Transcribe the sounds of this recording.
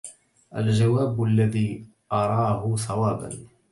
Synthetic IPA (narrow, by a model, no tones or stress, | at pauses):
ʔa̰ld͡ʒawaːbalːaðiː | ʔɑɾˤɑːɦʊsˤɑwaːba̰n